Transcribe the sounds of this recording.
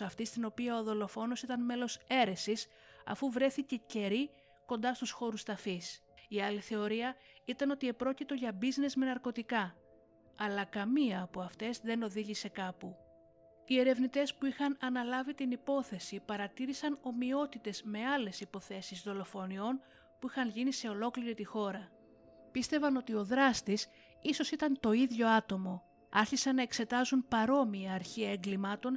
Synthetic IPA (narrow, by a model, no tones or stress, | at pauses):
ɐft̪ist̪ino̞piɐoðo̞lo̞fo̞no̞sit̪ɐnme̞lo̞se̞ɾe̞sis | ɐ̰fuvɾe̞θice̞ce̞ɾi | ko̞nd̪ɐst̪usxo̞ɾust̪ɐfis | iɐliθe̞o̞ɾiɐ | it̪ɐno̞t̪ie̞pɾo̞cit̪o̞ʝɐbizne̞zmenɐɾko̞t̪ikɐ | ɐlɐkɐmiɐːpuɐft̪e̞zðe̞no̞ðiʝise̞kɐpu | ie̞ɾe̞vnit̪e̞spuixɐnɐnɐlɐvit̪inipo̞θe̞sipɐɾɐt̪iɾisɐno̞mio̞t̪it̪e̞zme̞ɐle̞sipo̞θe̞sizðo̞lo̞fo̞nio̞n | puixɐnʝinise̞o̞lo̞kliɾit̪ixo̞ɾɐ | pist̪e̞vɐno̞t̪io̞ðɾɐst̪is | iso̞sit̪ɐnt̪o̞iðʝo̞ɐt̪o̞mo̞ | ɐɾçisɐnːɐe̞kse̞t̪ɐzunpɐɾo̞miɐːɾçiɐeŋɡlimɐt̪o̞n